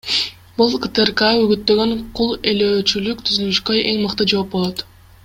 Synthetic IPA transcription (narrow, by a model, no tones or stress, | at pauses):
bulˠkət̪erkayɡyt̪ːø̞ɡø̞ɴqʰulˠe̞løːt͡ʃylyk̚t̪ʰyzylyʃkøe̞ŋmɯqt̪ɯd͡ʒo̞ːp̚bo̞lˠot̪